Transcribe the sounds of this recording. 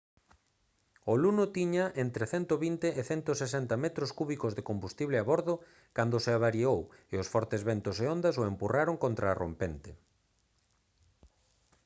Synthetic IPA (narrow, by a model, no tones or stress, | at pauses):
olunot̪iɲaʔent̪ɾeθɛnt̪oβint̪eʔːθɛnt̪osesɛnt̪amɛt̪ɾoskuβikozðekombust̪iβleaβoɾðo | kand̪oseaβaɾioweosfɔɾt̪ezβent̪oseond̪asoempuraɾoŋkont̪ɾaːro̰mpent̪e